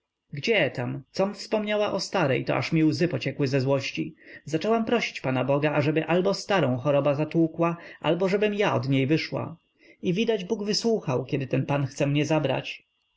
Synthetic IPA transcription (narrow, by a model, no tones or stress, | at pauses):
ɡd͡ʑɛt̪amt̪sɔmfspɔmɲawaʔɔst̪aɾɛjt̪ɔ̰ʔa̰ʂmʲiwzɘpɔt͡ɕɛkwɘzɛzwɔɕt͡ɕizat͡ʂɛwampɾɔɕi̥t͡ɕpanabɔɡaːʐɛbɘʔalbɔst̪aɾɔ̃w̃xɔɾɔbazat̪wukwaʔa̰lbɔʐɛbɘmjaɔ̰d̪ɲejvɘʂwa̰ | ivʲid̪ad͡ʑbuɡvɘswuxawkʲɛd̪ɘt̪ɛnpanxt̪sɛmɲɛzabɾa̰t͡ɕ